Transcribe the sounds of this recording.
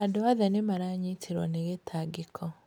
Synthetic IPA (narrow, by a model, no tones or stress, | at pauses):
andoaðɛnemaɾaɲitʰeɾwɔneɣetʰaɡekʰɔ